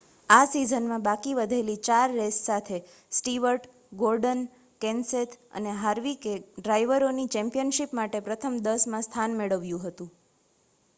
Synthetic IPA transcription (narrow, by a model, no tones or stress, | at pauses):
asizənmãbakiʋəd̪ʱelit͡ʃaɾːessat̪ʰe | sʈiʋəɾʈ | ɡoɾɖən | kɛnset̪ʰə̰neɦaɾʋikeɖɾajʋəɾonit͡ʃɛ̃mpijənʃipmaʈepɾət̪ʰəmd̪əsmãst̪ʰanmeɭəʋjũɦət̪ũ